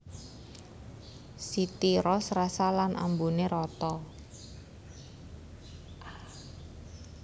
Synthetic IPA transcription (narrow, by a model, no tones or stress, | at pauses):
sit̪iɾɔsrasalanʔa̰mbuneɾɔt̪ɔ